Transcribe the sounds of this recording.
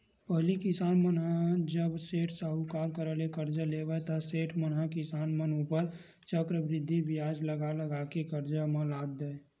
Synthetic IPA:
pəɦlikɪsaːnmənɦãd͡ʒəbseːʈʰsaɦukaːɾkəɾəlekəɾd͡ʒaleːʋɛt̪ɐseːʈʰmənɦãkɪsaːnmənupəɾ | t͡ʃəkɾəbɾɪd̪ʱːibɪjaːd͡ʒləɡaləɡakekəɾd͡ʒamãlaːd̪ːee

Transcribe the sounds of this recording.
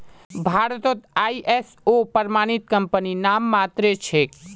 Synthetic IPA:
bʱaɾt̪ot̪aːiʔes | opəɾmañit̪kəmpəninamːat̪ɾet͡ʃʰek

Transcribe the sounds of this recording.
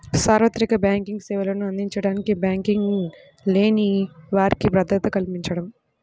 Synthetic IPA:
saːɾʋɐt̪ɾikɐbjaːŋkiŋɡsɛːʋɐlɐnuɐnd̪iɲt͡ʃɐɽaːnikibjaːŋkiŋɡ | le̞ːniʋaːɾikibɾɐd̪ɐt̪ɐkɐlpiɲt͡ʃɐɽɐm

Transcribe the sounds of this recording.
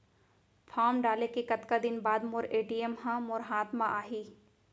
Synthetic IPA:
fʰaːɾmɖaːlekekɐt̪kad̪ɪnbaːd̪moɾeːʈijəmɦãmʊɾɦaːt̪mãʔaːɦiː

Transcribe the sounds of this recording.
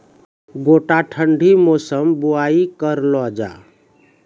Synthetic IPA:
ɡoʈaʈʰəɳɖʱimosəmbuaikəɾlɔd͡ʒa̰

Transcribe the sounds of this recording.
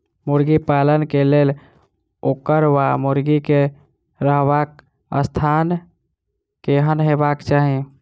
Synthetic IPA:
muɾɡipalənkelel | okəɾwamuɾɡike | ɾəɦbak | ə̰st̪ʰan | keɦənɦebakt͡ʃaɦi

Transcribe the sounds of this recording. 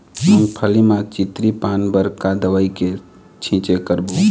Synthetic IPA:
məŋpʰəlimãt͡ʃit̪ɾipanbəɾkad̪əʋəike | t͡ʃʰĩt͡ʃekəɾbu

